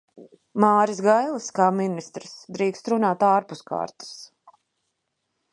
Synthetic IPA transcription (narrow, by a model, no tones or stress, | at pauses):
maːɾisɡajlˠaskaːminist̪ɾɨsd̪ɾiːkst̪ɾunaːt̪aːɾpuska̰ːɾt̪u̥s